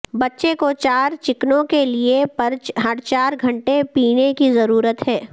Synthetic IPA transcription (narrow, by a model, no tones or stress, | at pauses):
bɐtːʃekot͡ʃaːɾt͡ʃɪknõkeliepɐɾd͡ʒɦɐɽt͡ʃaːɾɡʱɐ̃ɳʈepiːnekizɐɾuːɾət̪ɦɛː